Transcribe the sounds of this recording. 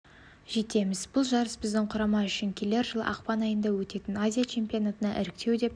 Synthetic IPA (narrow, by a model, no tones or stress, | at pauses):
ʒe̞t̪e̞mɪzbʊlˠʒɑɾəsbɪzd̪ɪŋqʰʊɾɑmɑʏʃɪŋkʲʰele̞ɾʒəlˠə̰ʔɑqpɑnɑjənd̪ɑwɵt̪e̞t̪ɪnazʲijat͡ʃʰe̞mpʲionat̪ənɑʔɪɾɪk̚t̪ʰe̞wd̪e̞p